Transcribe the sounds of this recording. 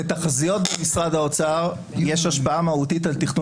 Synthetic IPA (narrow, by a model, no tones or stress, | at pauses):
et̪aχazijo̞t̪̚bemisʁad̪ao̞t͡saʁ | jeʃaʃpaamaut̪it̪alt̪iχnu